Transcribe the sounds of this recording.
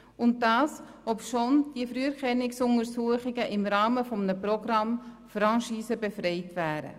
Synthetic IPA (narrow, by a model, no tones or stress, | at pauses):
ʊnt̚dɑːs | ɔpʃond̥iəfɾyːəɾkɛnːɪksʊŋəɾsuəχɪɡəʔɪmɾɑːməfɔmənəpɾɔɡrɑm | fɾɑ̃nʃiːsəbefɾɛɪtʋæːɾə̰